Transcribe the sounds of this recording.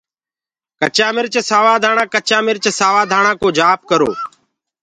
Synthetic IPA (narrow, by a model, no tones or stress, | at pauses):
kət͡ʃaːmɪɾt͡ʃsaːʋaːd̪ʱaːɳãːkət͡ʃaːmɪɾt͡ʃsaːʋaːd̪ʱaːɳãːkoːd͡ʒaːp̚kəɾo̰ː